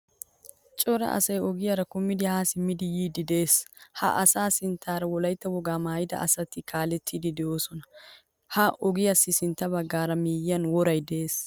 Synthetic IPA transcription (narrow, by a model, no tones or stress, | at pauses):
t͡ʃʼɔɾɐ̰ʔɐ̰sɐjɔɡɪjaɾɐkʊmːɪd̪ɪhaːsɪmːɪd̪ɪjiːd̪ɪd̪e̞ːshɐ̰ʔɐsaːsɪnt̪ʰːaːɾɐwɔlɐjt̪ːɐwɔɡaːmaːjɪd̪ɐ̰ʔɐsɐt̪ːɪkʰaːlɛt̪ʰːid̪ɪd̪ɛʔoːsɔnɐ | hɐʔɔɡɪjɐsːɪsɪnt̪ːɐbɐɡːaːɾɐmiːjɪjɐnwɔɾɐjd̪ɛeːs